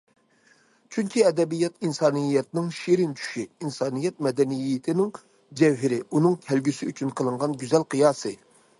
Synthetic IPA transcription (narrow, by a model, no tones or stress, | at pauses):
t͡ʃʰyŋkʲʰiɛd̪ɛbijɛt̪insɑːnɨjɛt̪ɪnɪŋʃeɾɪnt͡ʃʰy̥ʃiinsɑːnɨjɛt̪̚mɛd̪ɛnijɪt̪ʰɪnɪŋ | d͡ʒɛwɦɪɾɪunɨŋkʲʰælɡʲysɪyt͡ʃʰynqʰəlˠɨɴʁɑnɡʲyzɛlqʰɨjɑːsɨ